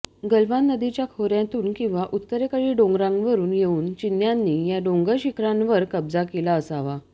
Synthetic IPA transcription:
ɡəlʋanːəd̪it͡ɕjakʰoɾjãt̪uːnkĩw̃ʋaʔut̪ːəɾekəɭiːɖõŋɡɾãŋɡʋəɾuːnjeuːnt͡ɕinjanːiːjaɖõŋɡəɕikʰɾãnʋəɾkəbd͡zakelaəsaʋa

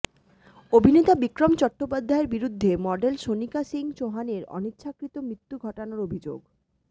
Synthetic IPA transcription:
obʱinet̪abikɾomt͡ɕɔʈːopad̪ʱːaeɾbiɾud̪ʱːemɔɖelʃonikasiŋt͡ɕoɦaneɾɔ̰nitːɕʰakɾit̪omɾit̪ːuɡʱɔʈonoɾobʱid͡ʑo̰ɡ

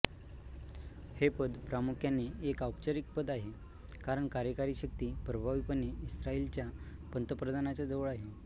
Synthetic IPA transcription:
hepəd̪pɾamukʰjanːeekawpt͡ɕəɾik̚pəd̪aɦe | kaɾəɳkaɾjəkaɾiɕək̚t̪iːpɾəbʱaʋipənːeisɾaiːlt͡ɕjapənt̪əpɾəd̪ʱanat͡ɕjad͡zəʋəɭaɦe

